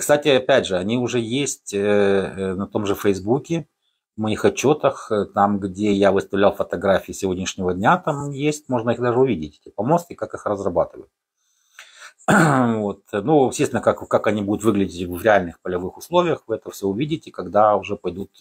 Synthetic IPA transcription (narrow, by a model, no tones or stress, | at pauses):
kst̪atʲɪɐpʲædʲʐɨɐnʲiʊʐɛjesʲtʲənɐt̪o̞mʐɨfəjzbukʲɪ | mɐixɐt͡ɕːo̞t̪əxt̪amɡdʲejavɨst̪ɐvlʲalˠfət̪ɐɡɾafʲiːsʲɪvodʲnʲɪʂnʲɪvədʲnʲat̪amjesʲtʲmo̞ʐnəixd̪aʐɨʊvʲidʲɪtʲɛtʲɪpɐmost̪ʲɪkakɨxrəzrɐbat̪ɨvəjʊt̪̚ | vo̞t̪nuɪsʲt̪ʲest̪ʲnəkakkakɐnʲibud̪ʊt̪vɨɡlʲɪdʲɪtʲvvɾʲɪalʲnɨxpəlʲɐvɨxʊslˠovʲɪjəxvɨɛt̪əfsʲoʊvʲidʲɪtʲɪkɐɡd̪aʊʐɛpɐjd̪ut̪